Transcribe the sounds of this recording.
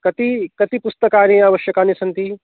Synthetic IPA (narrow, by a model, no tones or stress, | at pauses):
kɐt̪ikɐt̪ipust̪ɐkaːɾẽaːʋɐʃjɐkaːnisɐnt̪i